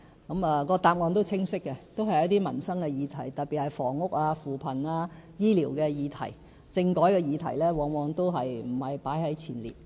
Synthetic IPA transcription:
kɐ˨˥maː˨kɔː˧t̪aː˨˧p̚ŋɔː˨˧nt̪̬o˥wt͡sʰɪ˥ŋsɪ˥kːɛ˧t̪o˥whɐ˨jɐ˥t̪iː˥mɐ˨˩nsɐ˥ŋkɛː˧jiː˨˧t̪ʰɐ˨˩jt̪ɐ˨t̚pi˨t̚hɐ˨jfɔː˨˩ŋʊ˥k̚aː˧fuː˨pʰɐ˨˩naː˧jiː˥liː˨˩wkɛː˧jiː˨˧t̪ʰɐ̰˨˩j | t͡sɪ˧ŋkɔː˨˥jkɛː˧jiː˨˧t̪ʰɐ̰˨˩jlɛː˥wɔː˨˧ŋwɔː˨˧ŋt̪o˥wɦɐ˨jm̩˨˩hɐ˨jpaː˨˥jɦɐ˨˥jt͡sʰiː˨˩nlḭː˨t̚

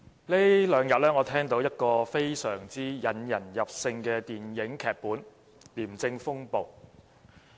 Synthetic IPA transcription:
le˥lœː˨˧ŋjɐ˨t̚lɛː˥ŋɔː˨˧t̪ʰɛː˥ŋt̪o˨˥wjɐ˥t̚kɔː˧fe˥jsœː˨˩ŋt͡siː˥jɐ˨˥njɐ˨˩njɐ˨p̚sɪ˧ŋkɛː˧t̪iː˨njɪ˨˥ŋkʰɛː˨˧k̚puː˨˥n | liː˨˩mt͡sɪ˧ŋfʊ˥ŋpo˨w

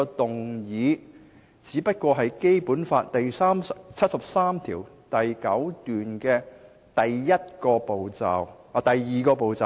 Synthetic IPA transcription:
ɔ˧t̪ʊ˨˩ŋjiː˨˧ | t͡siː˨˥pɐ˥t̚kʷɔː˧ɦɐ˨jke˥jpuː˨˥nfaː˧t̚t̪ɐ˨jsaː˥mt͡sʰɐ˥t̚sɐ˨p̚saː˥mt̪ʰḭː˨˩w | t̪ɐ˨jkɐ˨˥wt̪yː˨nkɛː˧ | t̪ɐ˨jːɐ˥t̚kɔː˧po˨wt͡sa̰ː˨˩w | a˨˧t̪ɐ˨jːiː˨˩kɔː˧po˨wt͡saː˨

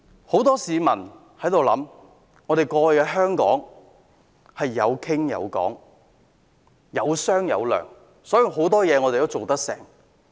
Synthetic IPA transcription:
ho˨˥wt̪ɔː˥siː˨˧mɐ˨˩n | hɐ˨˥jt̪o˨wlɐ̰˨˥m | ŋɔː˨˧ɾe˨jkɔː˧˨˧jkɛː˧ɦœː˥ŋkɔː˨˥ŋ | hɐ˨jːɐ˨˧wkʰɪ˥ŋjɐ̰˨˧wkɔ̰ː˨˥ŋ | jɐ˨˧wsœː˥ŋjɐ̰˨˧wlœ̰ː˨˩ŋ | sɔː˨˥ji˨˩wɦo˨˥wt̪ɔː˥jɛː˨˧ŋɔː˨˧e˨t̪o˥wt͡so˨wt̪ɐ˥k̚sɛ̰ː˨˩ŋ

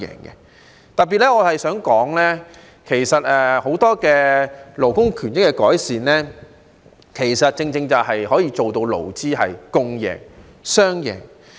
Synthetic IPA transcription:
jɛ̰ː˨˩ŋkɛ̰˧ | t̪ɐ˨t̚p̬ːiː˨t̚lɛ˥ŋɔː˨˧hɐ˨jsœː˨˥ŋkɔː˨˥ŋlɛ˥ | kʰe˨˩jsɐ˨t̚ɛː˧ho˨˥wt̪ɔː˥kɛː˧lo˨˩wkʊ˥ŋkʰyː˨˩nɪ˥kːɛ˧kɔː˨˥jsiː˨nɛː˥ | kʰe˨˩jsɐ˨t̚t͡sɪ˧ŋt͡sɪ˧ŋt͡sɐ˨wɦɐ˨jɦɔː˨˥jiː˧t͡so˨wt̪o˧wlo̰˨˩wt͡siː˥hɐ˨jkʊ˧ŋjɛ̰ː˨˩ŋ | sœː˥ŋjɛ̰ː˨˩ŋ

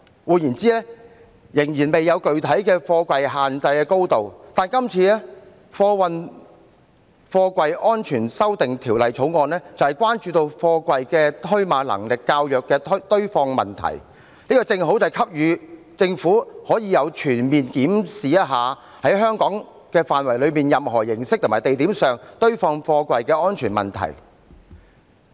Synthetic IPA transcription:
wuː˨˧jiː˨˩nt͡siː˥ɛː˥ | jɪ˨˩ŋjiː˨˩nme˨jːɐ˨˧wkɵ˨˩ɥt̪ʰɐ˨˥jkɛː˧fɔː˧kwɐ˨jɦaː˨nt͡sɐ˧jkɛː˧ko˥wt̪o˨wt̪aː˨nkɐ˥mt͡sʰiː˧ɛː˥ | fɔː˧wɐ˨˧n | fɔː˧kʷɐ˨jʔɔː˥nt͡ʃʰyː˨˩nsɐ˥wt̪ɪ˨ŋt̪ʰiː˨˩wlɐ˨jt͡sʰo˨˥wŋɔː˨˧nlɛː˥t͡sɐ˨whɐ˨˩jkʷwaː˥nt͡ʃyː˧t̪o˧wfɔː˧kʷwɐ˨jkɛː˧t̪ʰɵ˥ɥmaː˨˧lɐ̰˨˩ŋlɪ˨kːaː˧wjœː˨˩kːɛː˧t̪ʰt̪ɵ˥ɥfɔː˧ŋmɐ̰˨nt̪ʰɐ̰˨˩j | niː˥kɔː˧t͡sɪ˧ŋɦo˨˥wt͡sɐ˨˩jkʰɐ˥p̚jyː˨˧ | t͡sɪ˧ŋfuː˨˥hɔː˨˥jiː˧jɐ˨˧wt͡ʃʰyː˨˩nmiː˨nkiː˨˥msiː˨jɐ˥ɦaː˨˧ | hɐ˨˥jɦœː˥ŋkɔː˨˥ŋ | kɛː˧faː˨nwɐ˨˩jlɵ˨˧ɥmiː˨njɐ˨mɦɔː˨˩jɪ˨˩ŋsɪ˥k̚t̪o˨˩maː˨jt̪e˨jt̪iː˨˥msœː˨˩ŋt̪ɵ˥ɥfɔː˧ŋfɔː˧kʷɐ˧jkɛː˧ʔɔː˥nt͡ʃʰyː˨˩nmɐ̰˨˩nt̪ʰɐ̰˨˩j

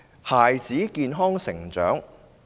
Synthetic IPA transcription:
haː˨jt͡siː˨˥kiː˧nɦɔː˥ŋsɪ˨˩ŋt͡ʃœː˨˥ŋ

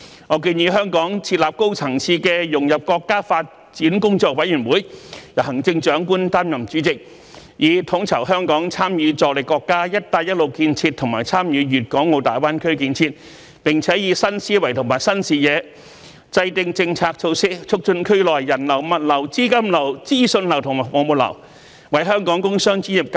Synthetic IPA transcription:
ŋɔː˨˧kiː˧njiː˨˧ɦœː˥ŋkɔː˨˥ŋt͡sʰiː˧t̚laː˨p̚ko˥wt͡sʰɐ˨˩ŋt͡sʰiː˧kɛ˧jʊ˨˩ŋjɐ˨p̚kɔː˧kːaː˥faː˧t̚ | t͡siː˨˥nkʊ˥ŋt͡ʃɔː˧k̚wɐ˨˥jyː˨˩nwuː˨˥jjɐ˨˩ɦɐ˨˩ŋt͡sɪ˧ŋt͡ʃœː˨˥ŋkuː˥nt̪aː˥mjɐ˨˩mt͡ʃyː˨˥t͡sɪ˨k̚ | jiː˨˧t̪ʰʊ˨˥ŋt͡sʰɐ˨˩whœː˥ŋkɔː˨˥ŋt͡sʰaː˥mjyː˨˧t͡sɔː˧k̚lɪ˨˩kːɔː˧kːaː˥jɐ˥t̚t̪aː˧jɐ˥t̚lo˨wkiː˧nt͡sʰiː˧t̪ʰʊ˨˩ŋmaː˨˩jt͡sʰaː˥mjyː˨˧jyː˨t̚kɔː˨˥ŋːo˨˧wt̪aː˨jwaː˥nkʰɵ˥ɥkiː˧nt͡sʰiː˧t̚ | pɪ˨˩ŋt͡sʰɛː˨˥jiː˨˧sɐ˥nsiː˥wɐ˨˩jt̪ʰʊ˨˩ŋmaː˨˩jsɐ˥nsiː˨jɛː˨˧ | t͡sɐ˧jt̪ɪ˧ŋt͡sɪ˧ŋt͡sʰaː˧k̚t͡sʰo˧wsɪ˥k̚t͡ʃʰʊ˥k̚t͡ʃɵ˧nkʰɵ˥ɥlɔː˨jːɐ˨˩nlɐ˨˩wmɐ˨˩t̚lɐ˨˩wt͡siː˥kɐ˥mlɐ˨˩wt͡siː˥sɵ˧nlɐ˨˩wt̪ʰʊ˨˩ŋma˨˩mo˨˧mu˨t̚lɐ̰˨˩w | wɐ˨˥jɦœː˥ŋkɔː˨˥ŋkʊ˥ŋsœː˥ŋt͡ʃyi˨˥njɪ˨p̚k

